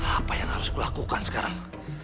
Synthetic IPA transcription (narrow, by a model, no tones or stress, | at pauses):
apajaŋhaɾʊskulakukansə̥kaɾaŋ